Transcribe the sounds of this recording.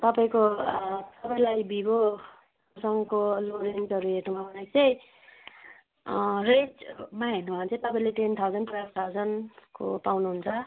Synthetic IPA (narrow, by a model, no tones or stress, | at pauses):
t̪ʌpaĩkot̪ʌpaĩlajbibo | sʌŋkoloɾend͡zʌɾuɦeʈumabʱʌnajt͡sʌj | red͡zmaɦenːubʱant͡sʰʌj̃t̪ʌpaĩlet̪ent̪ʰawd͡zʌnprajkʰt̪ʰawd͡zʌnko̰pawnuɦunt͡sʰʌ